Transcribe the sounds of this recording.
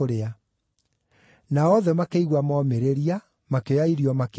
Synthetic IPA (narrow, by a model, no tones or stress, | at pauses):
oɾea | naɔðɛmakeiɣwamɔːmeɾeɾia | makejaiɾiɔmak